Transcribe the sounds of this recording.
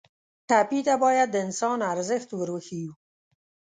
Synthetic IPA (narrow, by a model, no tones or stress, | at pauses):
ʈapit̪abɑjad̪ːəɪnsɑnaɾzɪxt̪wəɾwəxiju